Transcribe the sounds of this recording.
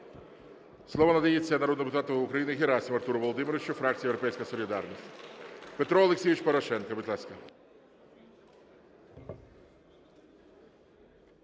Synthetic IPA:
slˠɔʋɔnɐd̪ɐjet͡sʲːɐnɐɾɔd̪d̪ɪpʊt̪at̪ɔːkɾɐjinɪɣʲɪɾasʲimɐrt̪uɾʊʋɔlˠɔd̪ɪmʲɪɾɔʋɪt͡ʃʊfɾakt̪ʲijewɾɔpɛjsʲkɐsɔlʲid̪arnʲisʲtʲpɛt̪ɾɔɔlˠeksʲiʋɪt͡ʃʲpɔɾɔʃɛnkɐʋɨt̪ʲlˠaskɐ

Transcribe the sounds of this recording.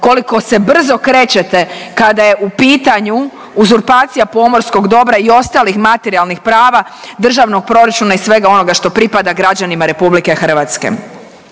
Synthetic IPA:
ko̞liko̞se̞br̩zo̞kɾe̞ːt͡ɕe̞t̪e̞kad̪aje̞ʔupiːt̪aɲu | uzuɾpaːt̪sijapo̞mo̞ɾsko̞ɡd̪o̞bɾaio̞st̪alixmat̪eɾialˠnixpɾaːʋa | d̪r̩ʒaʋno̞ɡ̚pɾo̞ɾat͡ʃunaisʋe̞ɡao̞no̞ɡaʃt̪o̞pɾipad̪aɡɾad͡ʑanimaɾe̞publike̞xr̩ʋat̪skḛ

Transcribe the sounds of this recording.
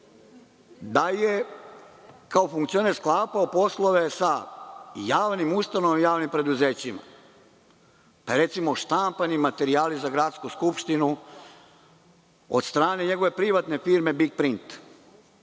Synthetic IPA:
d̪aje | kaofuŋkt̪io̞neɾsklˠaːpaopo̞slˠo̞ʋe̞sa | jaːʋnimust̪ano̞ʋamijaːʋnimpɾe̞d̪uzeːt͡ɕima̰ | paɾe̞t̪simo̞ʃt̪ampanimat̪e̞ɾiaːlizaɡɾat̪skuskupʃt̪inu | o̰d̪st̪ɾaːne̞ɲe̞ɡo̞ʋe̞pɾiʋat̪ne̞fiɾme̞bik̚pɾint̪

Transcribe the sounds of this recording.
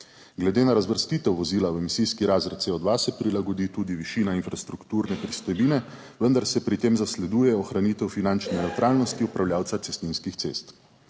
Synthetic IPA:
ɡlɛd̪eːnaɾazʋəɾst̪iːt̪ɛwʋɔziːlawɛmisiːskiɾaːzɾɛt̪t̪seɔd̪ʋasɛpɾilaɡɔd̪iːt̪ud̪iʋiʃiːnainfɾast̪ɾukt̪uːɾnɛpɾist̪ɔjbiːnɛ | ʋənd̪aɾsɛpɾit̪eːmzaslɛd̪uːjɛɔxɾanit̪ɛwfinant͡ʃnɛnɛwt̪ɾʔaːlnɔst̪iupɾawlʲjaːwt̪sat̪sɛst̪ninskixt̪sḛːst̪

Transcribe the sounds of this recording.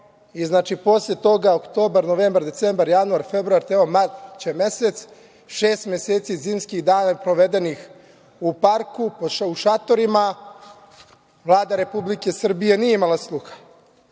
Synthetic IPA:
iznaːt͡ʃipo̞slet̪o̞ɡaokt̪o̞ːbaɾnoʋeːmbaɾd̪e̞t̪sembaɾjanuaɾfebɾuaɾt̪eomat͡ɕeme̞set̪s | ʃeːst̪mjeseːt̪siziːmskiɣd̪aːnapɾoʋe̞d̪enix | upaɾkupouʃat̪o̞ɾima | ʋlˠaːd̪aɾe̞publike̞sr̩bije̞nijeimalˠaslˠuxḁ

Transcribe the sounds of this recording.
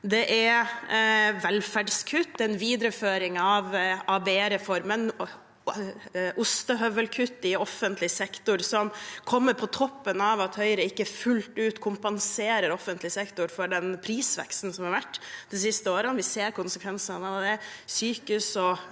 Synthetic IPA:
d̪ɛʔæɾ | ʋɛlfæɖskʰʉt̪ːɛɛnʋiːd̪ɾəføːɾɪŋɑʋʔɑbeːɾɛfɔɾmən | ʔʊst̪əɦœʋəlkʰʉt̪ːɪɔfːənt̪lɪsɛkt̪ʊɾsɔmkʰɔmːəɾpʰɔt̪ʰɔpːənɑʋɑt̪hœʏəɾəɪkːəfʉlt̪ʉːt̪kʰʊmpɑnseːɾəɾɔfːənt̪ʰlɪsɛkt̪ʊɾfɔɖɛnpʰɾiːsʋɛ̰kst̪n̩sɔmhɑɾʋæʈːd̪ɛs̬ɪst̪əoːɾənʋɪseːɾkʰʊnsəkʰʋɛnsənɑʋd̪ɛsyːkəʉsɔ

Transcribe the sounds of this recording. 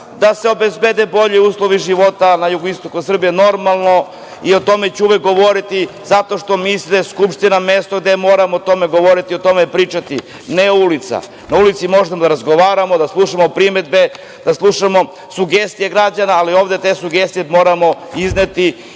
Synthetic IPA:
d̪ase̞o̞bezbed̪ebo̞ʎiuːslˠo̞ʋiʒiʋo̞t̪anajuɡoist̪o̞kusr̩bijeno̞ɾmalˠno̞ | io̞t̪o̞me̞t͡ɕɛuʋek̚ɡoʋo̞ɾit̪izat̪o̞ʃt̪o̞misleskupʃt̪inamest̪oɡd̪emo̞ːɾamoːt̪o̞me̞ɡo̞ʋo̞ɾit̪io̞t̪o̞mepɾiːt͡ʃat̪i | neoulit̪sa̰ | naulit̪simo̞ʒemod̪aɾazɡo̞ʋaːɾamo̞d̪aslˠuʃamo̞pɾime̞d̪̚be̞ | d̪̥aslˠuʃamo̞ | suɡest̪ije̞ɡɾad͡ʑanaːlio̞ːʋd̪et̪e̞suɡest̪ijemo̞ːɾamo̞izne̞t̪i

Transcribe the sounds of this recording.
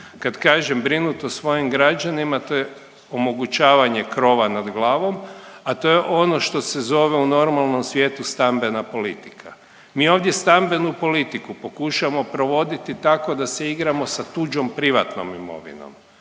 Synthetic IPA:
kad̪kaːʒembɾinut̪osʋo̞jimɡɾad͡ʒanimat̪oje | omo̞ɡut͡ʃaːʋaɲe̞kɾo̞ːʋanad̪ɡlˠaːʋo̞mat̪o̞je̞ʔo̞no̞ʃt̪o̞sezo̞ʋe̞uno̞ɾmalˠno̞msʋje̞ːt̪ust̪ambe̞napo̞lit̪i̥kʰa | miːo̞ʋd̪je̞st̪ambe̞nupo̞lit̪ikupo̞kuʃamo̞pɾo̞ʋo̞d̪it̪it̪ako̞d̪ase̞iɡɾamo̞sat̪ud͡ʒo̞mpɾiʋa̰t̪no̞̰mimo̞̰ʋḭno̞̰m

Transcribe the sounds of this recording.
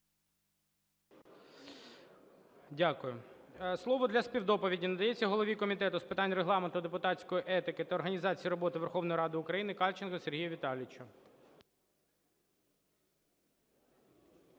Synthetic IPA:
dʲakʊjʊslˠɔʋɔd̪lʲɐspʲiwd̪ɔpɔʋʲidʲinɐd̪ɐjɛt͡sʲːɐɦɔlˠɔʋʲikɔmʲit̪ɛt̪ʊspɪt̪ɑnʲreɦlˠɑment̪ʊd̪epʊt̪ɑt͡sʲkɔjiʔɛt̪ɪkɪt̪ɐːrɦɐnʲizɑt͡sʲijiɾɔbɔt̪ɪʋerxɔʋnɔjiɾɑd̪ɪʊkɾɐjinɪkɑlʲt͡ʃɪnkɔserɦijʊʋʲit̪ɑlʲɪt͡ʃʊ

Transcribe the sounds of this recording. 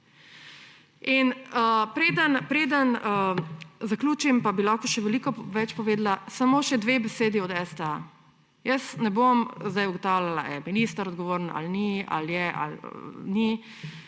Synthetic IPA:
inəpɾeːd̪ənpɾeːd̪ənəzaklʲuːt͡ʃimpabilakɔʃɛʋɛlikɔʋɛt͡ʃpɔʋeːd̪lasamoːʃɛd̪ʋeːbɛseːd̪iɔd̪ɛst̪ɛa | jəsnɛbomzd̪ajuɡɔt̪awlʲalaʔa̰ɛminist̪aɾɔd̪ɡɔʋoːɾna̰lnia̰ljɛʔa̰lni

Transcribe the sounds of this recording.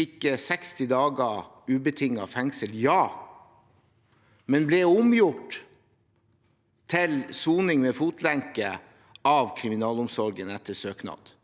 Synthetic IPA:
ɪkːəsɛkst̪ɪd̪ɑːɡə | ʉːbət̪ʰɪŋːɑfɛŋsəljɑː | mɛnblɛʊmjʊʈ | t̪ʰɪlsuːnɪŋmɛfuːt̪ʰlæŋkə | ɑʋkʰɾɪmɪnɑːlʊmsɔɾɡənɛt̪ːəsøːknɑ̰d̪̥

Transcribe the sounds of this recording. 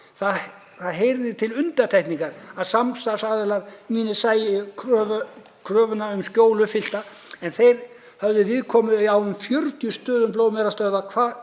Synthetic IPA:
θa | θaðɦejɾðɪt̪ʰɪlʏnt̪at̪ʰajhk̪niŋkaɾaðsamst̪asaðɛlaɾmiːnɪsaːjɪkʰɾœːvʏ | kʰɾœːvʏnaʏmscjoːwlʏfɪl̥t̪a | ɛnθejɾ̥ | hœvðʏvɪðkʰɔːmʏawʏmfjœɾt̪jʏst̪œːðʏnploːwmɛɾast̪œɥðakʰvaː

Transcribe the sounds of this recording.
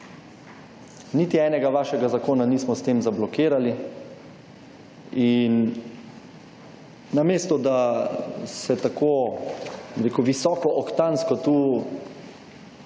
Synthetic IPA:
niːt̪iɛːnɛɡaʋaːʃɛɡazakoːnaniːsmɔst̪eːmzablɔkiːɾali | in | ameːst̪ɔd̪a | sɛt̪ako | biɾeːkuʋisɔːkɔʔɔkt̪anskɔt̪uː

